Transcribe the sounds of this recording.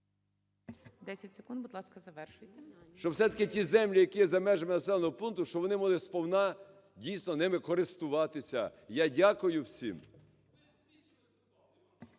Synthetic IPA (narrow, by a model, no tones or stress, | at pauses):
d̪ɛsʲɐtʲsekund̪bʊd̪lˠɑskɐzɐʋɛrʃɪtʲ | ʃt͡ʃɔwsɛt̪ɐ̥kɪtʲizɛmlʲijɐkijɛzɐmɛʒɐmɪnɐsɛlˠɔnɔɦɔpunk̪̚t̪ʊʃt͡ʃɔbʋɔnɪmɔlˠɪspɔwnɑ | dʲijsnɔnɪmɪkɔɾɪst̪ʊʋɑt̪ɪsʲɐ̰jadʲakʊjʊwsʲḭm